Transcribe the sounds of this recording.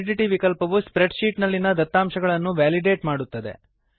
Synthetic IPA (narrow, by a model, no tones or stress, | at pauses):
ɖiʈiʋikɐlpɐʋuspɾeɖʃiːʈnɐlːinɐd̪ɐt̪ːaːmʃɐɡɐɭɐnːuʋaːliɖe̞ːʈmaːɽut̪ːɐd̪e̞̰